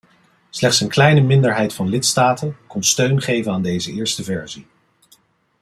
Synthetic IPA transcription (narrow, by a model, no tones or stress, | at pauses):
slɛχtsənklɛjnəmɪndəɹɦɛjtfɑnlɪtstaːtənkɔnstøɥnχejvənaːndejzəɪːɹstəvɛɹzi